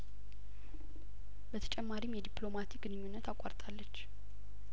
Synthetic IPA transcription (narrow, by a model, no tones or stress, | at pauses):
bət̪ʰə̥t͡ʃʼɛmːaɾimjɛd̪iplo̞mat̪iɡɨnɨɲːunːət̪akʼa̰ɾt̪ʼalːət͡ʃː